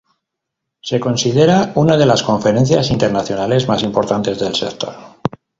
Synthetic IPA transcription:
se̞ko̞nsið̞e̞ɾaunað̞e̞lasko̞ɱfe̞ɾẽ̞n̟θjasint̪e̞ɾnaθjo̞nale̞zmasimpo̞ɾt̪ant̪e̞zðelse̞k̚t̪o̞̰ɾ

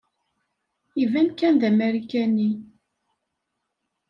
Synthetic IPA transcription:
ivænkænðæmæɾikænːi

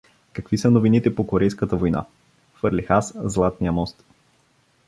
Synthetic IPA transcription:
kɐkvisənovinit̪ɛpokoɾɛjskət̪əvojna̰ | fɤɾlixaszlˠat̪nijəmɔst̪

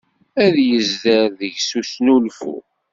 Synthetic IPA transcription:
æðjəzðəɾðəʝsusnulfṵ

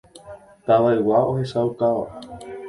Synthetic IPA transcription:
t̪aʋaewaʔoɦesaukaʋa̰

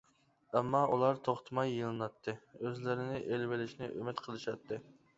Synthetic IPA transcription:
ɛmːɑʔulˠɑɾt̪ʰoχt̪ʰɨmɑjːɨlˠɨnɑt̪ʰːɨøzlɪɾɪnɪʔelvɪlɪʃnɪʔømɪt̪qʰəlˠɨʃɑt̪ʰːɨ

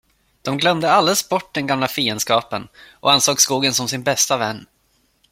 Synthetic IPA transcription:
d̪̥ɔmɡlœmd̪əald̪əlsbɔʈ̚ːd̪ɛnɡamlafiːənskɑːpənʔɔ̰ansoːkskuːɡənsɔmsɪnbɛst̪avɛnː

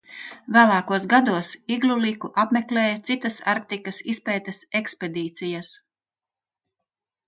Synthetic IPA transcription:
væːlˠɑːkuɔsɡad̪uɔsiɡlˠulikuʔapmʲeklʲɛːjat̪sit̪ɐsaɾk̚t̪ikɐsispɛːt̪ɐsekspʲed̪iːt̪sijɐs

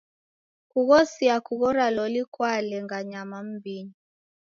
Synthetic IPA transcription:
kuɣɔsiakuɣɔɾalɔlikwalɛŋɡaɲamam̩bini

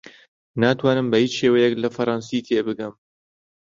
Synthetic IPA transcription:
naːt̪waːnɨmbɐhiːt͡ʃʃeːwɐjɛklɐfɐɾˤɑnsit̪ʰeːbɨɡɨm

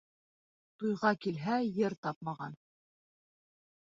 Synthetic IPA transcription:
t̪ujʁɑkilɦæjɘɾt̪ɑp̚mɑʁɑn

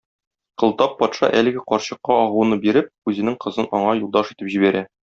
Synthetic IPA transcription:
qɤ̆lˠt̪ɑpːɒt̪ʃɑ̰ʔælɘ̆ɡɘqɒɾɕɤ̆qːɑɒʁunɤbiɾɘp̚ʉzɘ̆nɘŋqɤ̆zɤnɒɴɑjulˠd̪ɑʃit̪ɘpʑibæɾæ

